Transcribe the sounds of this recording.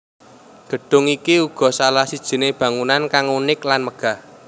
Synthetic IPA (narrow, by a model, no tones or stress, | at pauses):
ɡ̥ə̤ɖ̥ʊ̤ŋikiuɡ̥ɔ̤salahsid̥ʒ̥i̤neb̥ä̤ŋunankaŋunɪklanməɡ̥a̤h